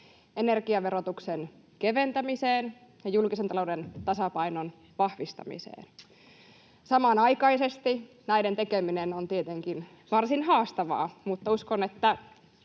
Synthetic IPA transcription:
enerkiɑʋe̞ɾot̪uksen | keʋe̞nt̪æmiseːn | jɑjulkisent̪ɑlowdent̪ɑsɑpɑinon | ʋɑhʋist̪ɑ̰mḭsḛːn | sɑmɑnɑjkɑisest̪i | næident̪ekeminenont̪iet̪eŋkin | ʋɑrsinɦɑːst̪ɑʋɑ̰ːmut̪ːɑuskonet̪ːæ

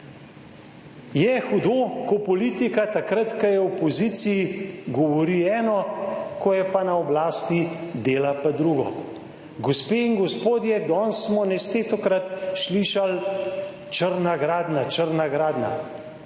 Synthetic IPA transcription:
jɛxud̪oːkɔpɔliːt̪ikat̪akɾat̪kajɛɔpoziːt̪sijiɡɔʋɔɾiɛːnɔkɔjɛpanaɔblaːst̪id̪eːlapad̪ɾuːɡɔ̰ | ɡɔspeːiŋɡɔspoːd̪jɛd̪ɔːnsːmɔnɛst̪et̪ɔkɾat̪ʃliːʃal | t͡ʃəɾnaɡɾaːd̪nat͡ʃəɾnaɡɾaːd̪na̰

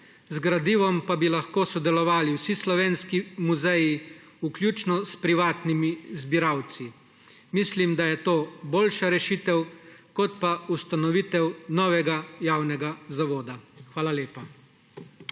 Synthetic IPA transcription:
zɡɾad̪iːʋɔmpabilaxkoːsɔd̪ɛlɔʋaːliwsislɔʋeːnskimuzɛji | uklʲjuːt͡ʃnɔspɾiʋaːt̪nimizbiɾawt̪si | mislimd̪ajɛt̪oːboːlʃaɾɛʃit̪ɛwkɔt̪̚paust̪anɔʋit̪ɛwnɔːʋɛɡajaːwnɛɡazaʋoːd̪axʋaːlaleːpa

